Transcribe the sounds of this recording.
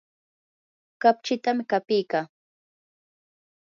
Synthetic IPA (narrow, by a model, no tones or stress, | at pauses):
kapt͡ʃɪt̪amɪkapijkaː